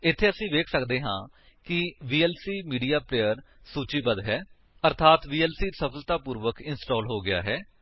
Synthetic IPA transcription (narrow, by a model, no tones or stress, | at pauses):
ɪt̪ʰːeːəsĩːʋeːkʰsəkd̪eːɦã̰ː | kɪʋiːɛːlsiːmiːɖiːaːpleːəɾ | suːt͡ʃiːbəd̪ɦɛː | əɾt̪ʰaːt̪ʋiːɛːlsiːsəpʰəlt̪aːpuːɾʋəkɪnsʈɔːlɦoːɡɪja̰ːɦɛː